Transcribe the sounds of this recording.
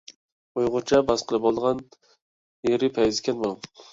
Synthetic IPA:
ojʁʊt͡ʃʰabasqʰɨlˠɪpɒlˠʁɑn | eɾɪpʰajɪzkʲanbolˠ

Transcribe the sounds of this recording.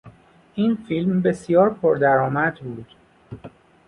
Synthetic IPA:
ʔiːnfilmbe̞sjɒːɾpʰoɾd̪æɾɒːmæd̪buːd̪̥

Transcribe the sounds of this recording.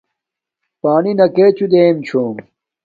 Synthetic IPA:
paːninɐkeːt͡ɕud̪eːmt͡ɕʰoːm

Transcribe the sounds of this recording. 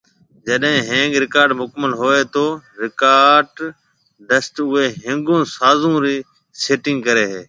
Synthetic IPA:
d͡ʒəɗɦɪ̃ːɦẽːŋɡɾɪkaːɾɖmʊkməlɦoːeːt̪oːɾɪkaːɾɖ | ɖəsʈʊɦeːɦẽːŋɡõːsaːzũːɾiː | seːʈɪ̃ŋɡ̚kəɾeːɦeː

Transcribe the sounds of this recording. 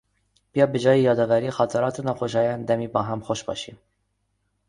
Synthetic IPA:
pijɑːbəd͡ʒɑːjijɑːd̪ɑvæɾixɑt̪ʰɑɾɑːt̪ʰunɑxoʃɑːjɑnd̪ɛmibɑːɦɛmxoʃbɑ̰ːʃḭ

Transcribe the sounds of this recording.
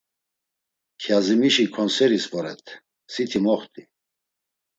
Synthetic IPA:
kʰjazimiʃikʰɔnsɛɾisvʼɔɾɛ̰t̪ʰ | sit̪ʰimɔχt̪ʼi

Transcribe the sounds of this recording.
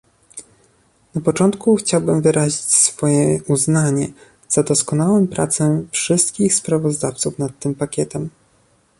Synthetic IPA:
napɔt͡ʂɔnt̪kuxt͡ɕawbɘmvɘɾaʑit͡ɕsfɔjɛuznaɲɛ | z̥ad̪ɔskɔnawɛmpɾʔat̪sɛfʂɘst̪kʲixspɾavɔzd̪aft̪sufnat̪ːɘmpakʲɛt̪ɛm

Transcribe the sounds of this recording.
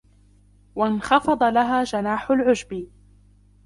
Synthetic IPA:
wanxɑfɑd̪ˤɑlaɦaːd͡ʒanaːħʊlʕʊd͡ʒbɪ

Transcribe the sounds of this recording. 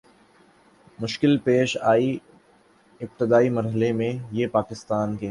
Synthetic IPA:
mʊʃkɪlpeːʃaːi | ɪp̚t̪ɪd̪aːimɐɾɦəlemẽjepaːkɪst̪aːnke

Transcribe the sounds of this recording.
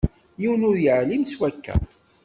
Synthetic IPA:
jiwnʊɾjəʕlimswækːæ̰

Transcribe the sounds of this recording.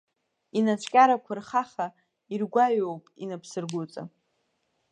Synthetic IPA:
inat͡ʃʷʰʼkʲʼaɾakʷʰarχaχa | irɡʷaɥowpʼinapʰsɨrɡʷut͡sʼa̰

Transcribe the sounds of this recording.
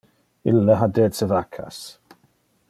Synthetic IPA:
ɪ̰lːəɦadɛːdsəvakʰa̰s

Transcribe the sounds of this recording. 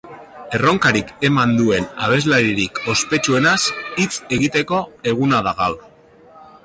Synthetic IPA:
e̞ro̞ŋkaɾike̞mand̪ue̞naβ̞e̞zlaɾiɾiko̞spe̞t͡ʃue̞nasit͡se̞ɣit̪e̞ko̞e̞ɣunaðaɣaw

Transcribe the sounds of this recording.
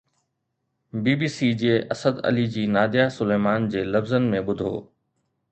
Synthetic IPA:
biːbiːsid͡ʑieʔɐsəd̪ɐ̰lid͡ʑiːnaːd̪ijasʊleːmaːnd͡ʑeːlɐbzən̆mẽɓʊd̪ʱo̰ː

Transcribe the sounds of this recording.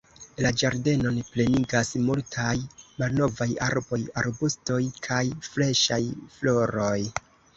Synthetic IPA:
lad͡ʒaɾde̞no̞nple̞niɡasmultʰajmalno̞vaja̰ɾbo̞ja̰ɾbusto̞jkʰajfle̞ʃajflo̞ɾo̞j

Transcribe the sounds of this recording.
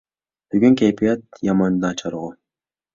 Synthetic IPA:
b̥yɡyŋkʲepijat̪̚jɑmɑnd̪ɑt͡ʃʰɑɾuʁu

